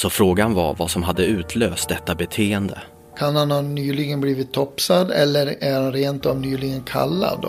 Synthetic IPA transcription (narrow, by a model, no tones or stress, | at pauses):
sɔfɾoːɡanva̰ɾvasɔmɦad̪ːəʉ̟ːt̪ʰløːst̪̚d̪ɛt̪ːabɛt̪ʰeːənd̪ə̰ | kʰanhanhanyːlɪɡənbliːvɪt̪ʰːɔpsad̪ɛlːəɾæɾhanɾeːnt̪ɔmnyːlɪɡənkʰa̰lːa̰d̪